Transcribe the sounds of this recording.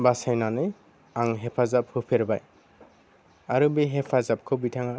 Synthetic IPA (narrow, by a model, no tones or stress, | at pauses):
basajnanɯ | aŋɦepʰazap̚hɯpʰeɾbaj | aɾubiɦepʰazap̚kʰɯbitʰaŋa